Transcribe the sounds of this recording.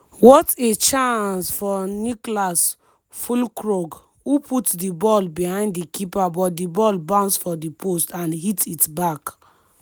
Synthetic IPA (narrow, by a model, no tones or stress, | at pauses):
wɔtet͡ʃãnsfɔniklas | fulkɹoɡ | uputdibɔlbihãɪ̃nddikipabɔt̚dibɔlbãʊ̃nsfɔdipʰostãnhititbak